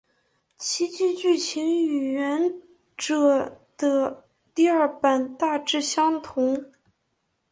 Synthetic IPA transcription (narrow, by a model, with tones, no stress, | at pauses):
t͡ɕʰi˧˥t͡ɕy˥˧t͡ɕy˥˩t͡ɕʰi˧˥ŋy˨˩ɥɛ˧˥n | ʈ͡ʂɤ˨˩˦d̪̥ə˧ | t̪i˥˧ɐ˞˥˩pa˨˩nt̪a˥˧ʈ͡ʂɻ̩˥˩ɕjɑ˥ŋt̪ʰʊ˧˥ŋ